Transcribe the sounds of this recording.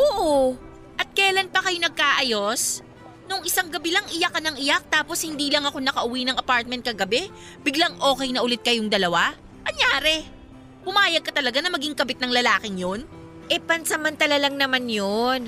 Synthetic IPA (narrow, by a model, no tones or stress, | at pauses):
ʔoːʔo | ʔɐt̪̚kɛːlɐnpɐkɐjo̞nɐɡ̚kaːʔɐjo̞s | noŋɪsaŋɡɐbɪlɐŋʔɪjakɐnɐŋɪjak̚t̪aːposhɪnd̪iːlɐŋɐko̞nɐkɐʔʊwinɐŋɐpaɹt̪̚mɛnt̪̚kɐɡɐbɛ | bɪɡlɐŋʔo̞ːkɛjnɐʔʊlɪt̪̚kɐjoŋd̪ɐlɐwa | mɐŋjaːɾɛ | pʊmaːjɐɡ̚kɐt̪ɐlɐɡanɐmɐɡiŋkɐbɪt̪nɐŋlɐlaːkɪŋjon | ʔɛpɐnsɐmɐnt̪ɐlalɐŋnɐmanjon